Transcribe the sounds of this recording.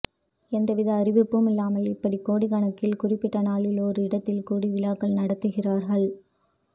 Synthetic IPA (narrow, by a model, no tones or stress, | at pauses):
ɛnd̪ɐʋɪðɐːɾɪʋɪpːɯmɪlːaːmɐlɪpːɐɽikːoːɽiɣɐɳɐkːɪlkʊrɪpːɪʈːɐnaːlɪlɔɾɯɪɽɐt̪ːɪlkuːɽiʋɪlaːkːɐlnɐɽɐt̪ːɯɣɪraːɾɣɐɭ